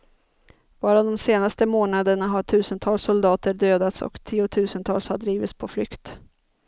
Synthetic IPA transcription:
v̥ɑːɾad̪ɔmseːnast̪əmoːnad̪əɳaɦaʈʰʉ̟ːsənt̪ʰɑːlsʊld̪ɑːt̪əɖøːd̪at̪sɔ̰kt̪ʰiːʊt̪ʰʉ̟ːsənt̪ʰɑ̰ːlshaɖɾiːvɪt̪spʰɔflʏkt̪

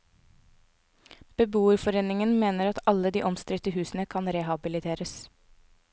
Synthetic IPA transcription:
b̥əbuːəɾfɔɾeːnɪŋənmeːnəɾɑt̪ɑləd̪iːʔɔmst̪ɾɪt̪əhʉːsn̩əkʰɑnɾehɑbɪlɪt̪ʰeːɾəs

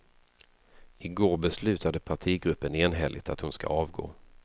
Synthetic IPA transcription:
ɪɡoːɾbɛslʉ̟ːt̪ʰad̪əpʰaʈʰiːɡɾɵpːəneːnɦɛlʔɪ̰t̪ʰat̪hʊnska̰ɑːvɡo̰ː

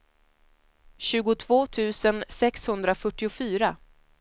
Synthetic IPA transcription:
ɕʉ̟ːɡʊt̪ʰvoːt̪ʰʉ̟ːsənsɛkshɵnd̪ɾafœʈːɪʊfyːɾa

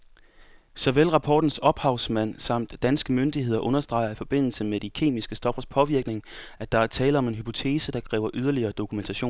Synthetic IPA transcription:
sɒʋelʁɑ̈pʰɒ̰ːd̥n̩sɒ̽b̥hɑ̈ʊsmæn̰sɑ̈m̰d̥ːænsɡ̥əmønd̥ihe̝ð̰ˠɐʔɔ̽nɐsd̥ʁɑ̈ɪɐifɒ̽b̥e̝n̰l̩səmed̥ikʰe̝̰ːmisɡ̥əsd̥ɒ̽b̥ɐspʰɒ̽ʋiɐɡ̥ne̝ŋæd̥ɑ̈æɐt͡sʰɛːləɒ̽me̝nɦypʰo̝t͡sʰe̝ːsəd̥ɑ̈kʰʁɛ̰ːʊɐʔyð̞ˠɐliɐːd̥o̝kʰument͡sʰæɕo̝̰ː

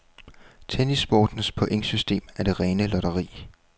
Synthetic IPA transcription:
t͡sʰenisb̥ɒːd̥n̩spʰɒ̽ʔe̝ŋ̰sysd̥e̝̰ːmæɐd̥e̝ʁɛːnəlɒɾɐʁḭː

